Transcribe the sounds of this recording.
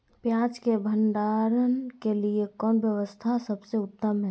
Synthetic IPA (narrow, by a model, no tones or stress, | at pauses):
pjãt͡ʃkebʱənɖaɾənkeliekɔːnbjəʋəst̪ʰasəbseʊt̪ːəmɦɛ